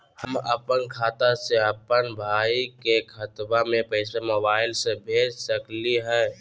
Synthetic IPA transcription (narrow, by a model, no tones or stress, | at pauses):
həmə̰pənkʰaːt̪aseəpənbʱaikekʰət̪bamẽpəɪsemobaɪlsẽbʱeːd͡ʒsəkliɦɛː